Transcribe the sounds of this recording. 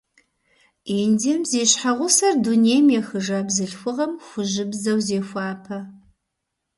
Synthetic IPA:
iːndimzeːɕħaʁʷʊsɐrduneːjmjɛxɨʒaːbzɨɬxʷʊʁɐmxʷʊʒɪbzɐwzeːxʷɑːpʰɐ

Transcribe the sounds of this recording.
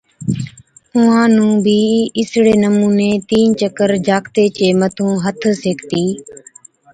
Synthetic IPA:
ʊãːnũːbʱiːɪsɽeːnəmuːneːt̪iːnt͡ʃəkəɾd͡ʒaːkt̪eːt͡ʃeːmət̪ʰũːɦət̪ʰseːkt̪iː

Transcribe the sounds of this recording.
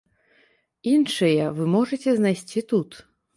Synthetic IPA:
inʂɨjɐvɨmɔʐɐt͡sʲɛznajsʲt͡sʲit̪ut̪

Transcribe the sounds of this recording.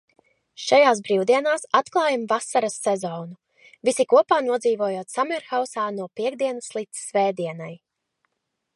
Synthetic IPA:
ʃajaːs̬bɾiwd̪iɛnaːsat̪klˠɑːjamvasaɾasːɛzɔːnu | visikuɔpaːnuɔd̪ziːvuɔjoɔt̪samɛɾxawsaːnuɔpiɛɡd̪iɛnəslˠit̪ssvɛːd̪iɛnaj

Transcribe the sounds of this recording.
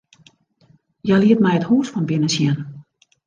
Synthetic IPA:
jɛliətmɛjəthuːsfɔnbɪnəsjɛn

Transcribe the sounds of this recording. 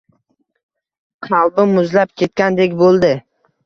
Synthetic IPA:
qʰɑlˠbɪmʊzlap̚kʲʰe̞t̪̚kʲand̪ekʲbolˠd̪ɪ

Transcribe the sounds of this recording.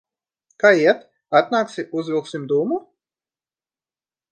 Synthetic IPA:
kaːiɛt̪ | at̪naːksiʔuzvʲilˠksimd̪uːmu

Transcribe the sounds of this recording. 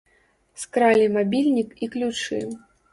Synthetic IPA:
skɾalʲimabʲilʲnʲikiklʲut͡ʂɨ̰

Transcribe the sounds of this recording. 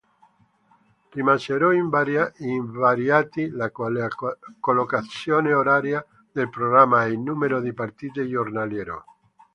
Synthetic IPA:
rimaseɾɔiiɱvaɾjat̪ila | kolokat̪sjoːneoɾaɾja | d̪elpɾoɣɾamːainːumeɾod̪ipaɾt̪iːt̪ejornaljɛɾo̰

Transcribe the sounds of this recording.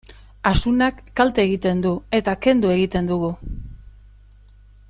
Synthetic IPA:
asunakːalt̪eːɣit̪e̞nd̪ue̞t̪ake̞nd̪ue̞ɣit̪e̞nd̪uɣu

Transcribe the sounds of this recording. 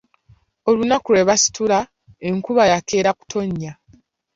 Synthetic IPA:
o̞lunakuɾe̞βasi̥tula | e̞ŋkuβajake̞ːɾaku̥tʰo̞ɲːa

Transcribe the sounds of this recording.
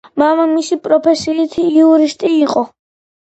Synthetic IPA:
mamamisipʼɾɔpʰɛsiːt̪ʰiiuɾist̪ʼiːqʼɔ

